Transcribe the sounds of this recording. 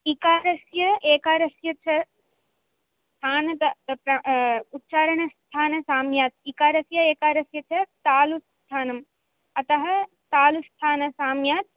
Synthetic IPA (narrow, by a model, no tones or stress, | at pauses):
ikaːɾɐsjɐeːkaːɾɐsjɐt͡ʃʰɐ | st̪ʰaːnɐt̪ɐpɾɐut̪ːʃaːɾɐɳɐst̪ʰaːnɐsaːmjaːt̪̚ikaːɾɐsjɐeːkaːɾɐsjɐt͡ʃʰɐt̪aːlust̪ʰaːnɐm | ɐt̪ɐɦɐ̆ | t̪aːlust̪ʰaːnɐsaːmjaːt̪̚